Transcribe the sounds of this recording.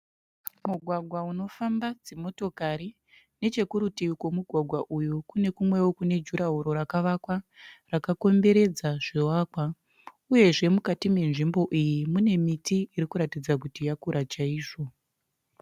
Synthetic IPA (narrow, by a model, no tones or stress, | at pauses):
muɡʱwaɡʱwauno̞fambad͡ze̞mo̞to̞kaɾi | ne̞t͡ʃe̞kuɾutiikwo̞muɡʱwaɡʱwaʔujukune̞kumwe̞wokune̞d͡ʒuɾaɦuɾo̞ɾakaʋakwarakako̞mbe̞ɾe̞d͡zaʐ̥ewaːkwa | uje̞ʐe̞mukatime̞nʐimbo̞ʔijimune̞mitiːɾikuɾatid͡zakutijakuɾat͡ʃaiːʐo